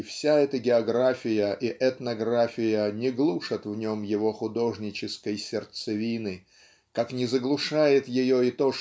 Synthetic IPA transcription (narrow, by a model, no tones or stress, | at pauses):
fsʲaɛt̪əɡʲɪɐɡɾafʲɪjəʔiʔɛt̪nɐɡɾafʲɪjənʲɪɡlˠuʂət̪vnʲo̞mjɪvo̞xʊd̪o̞ʐnʲɪt͡ɕɪskəjsʲɪrt̪sɨvʲinɨ | kaknʲɪzəɡlˠʊʂajɪt̪jɪjo̞ɪt̪o̞